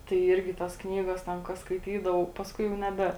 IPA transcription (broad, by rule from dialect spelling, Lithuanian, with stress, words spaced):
tɐɪ ˈiːrʲɡʲɪ ˈtɐs ˈknʲiːɡɐs ˈtʲɛn kɐ skɐɪˈtʲiːdɐʋɐʊ pɐsˈkʊɪ jɛʊ nʲɛˈbʲɛ